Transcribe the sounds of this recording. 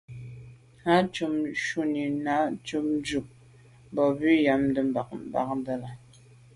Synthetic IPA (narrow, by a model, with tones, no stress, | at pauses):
ha˦t͡ʃu˨mʃu˦ni˨na˨˦t͡ʃu˦m˦d͡ʒu˨k̚ | mbɔ˨bi˦ja˨mdə˨mba˨kba̰˨k̚n˦də˦la˨